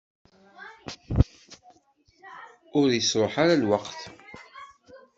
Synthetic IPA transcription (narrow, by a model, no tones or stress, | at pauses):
ʊɾjəsɾoħaɾalwaqθ